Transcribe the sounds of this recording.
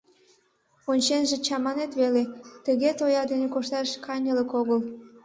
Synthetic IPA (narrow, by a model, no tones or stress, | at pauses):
onʲt͡ɕenʒet͡ɕɑmɑnet̪βelet̪əɣet̪ojɑd̪enekoʃt̪ɑʃkʰɑnʲələkoɣəl